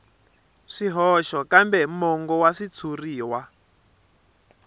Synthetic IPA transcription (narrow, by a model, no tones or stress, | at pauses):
ʂiɦɔʃɔkambɛmɔŋɡɔwaʂit͡sʰuriːwa